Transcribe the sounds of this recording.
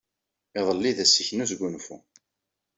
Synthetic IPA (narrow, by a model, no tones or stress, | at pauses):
ɪðˤəlːiðæsiçnuzɡunfṵ